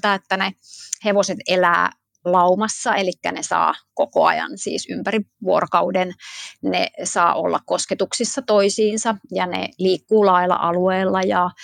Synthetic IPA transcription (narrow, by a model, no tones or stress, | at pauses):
t̪æet̪ːæneheʋoset̪elæ̰ː | lɑumɑsːɑelikːæ̰nesɑ̰ːkoko̰ɑ̰jɑ̰nsḭːsympæriʋuorokɑudennḛsɑ̰ːʔo̰lːɑ̰kkosket̪uksisːɑt̪oisiːnsɑjɑnḛliːkːuːlɑilɑ̰ʔɑlueːlːɑjɑ